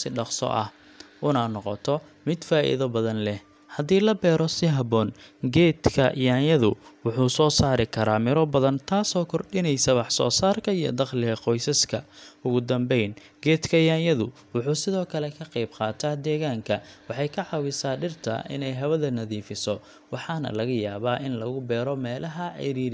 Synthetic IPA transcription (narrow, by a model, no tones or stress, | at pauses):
sɪɖɑqsɔ̰ʔɐ̰h | ʔʊnaːnɔqɔ̰t̪ʰɔ | mɪd̪faːʔɪ̰ðɐbɐðɐnlɛh | hɐðiːlɐbɛːɾɔsɪɦɐbɔːnɡɛːd̪kʰɐjaːnjɐðʊwʊħuːsɔːsaːɾɪkʰɐɾaːmɪɾɔbɐðɐnt̪ʰaːsɔːkʰɔrɗɪnɛjsɐwɑħsɔ̰ːsaːrkʰɐijɔ̰d̪ɑqlɪɣɐqɔjsɐskʰɐʊɣʊd̪ɐmbɛjn | ɡɛːt̪kʰɐjaːnjɐðʊ | wʊħuːsɪðɔːkʰɐlɛkʰɐqɛjbqɑːt̪ʰaːd̪ɛːɣaːŋkʰɐwɑħɑjkʰɐʕɑwɪsaːɖɪrt̪ʰɐ̰ʔɪ̰nɛjɦɐβɐðɐnɐðiːfɪsɔ | wɑħɑːnɐ̰lɐɣɐjaːβaːʔɪnlɐɣʊbɛːɾɔmɛːlʔɐɦɐʕɛ̰ɾiːɾ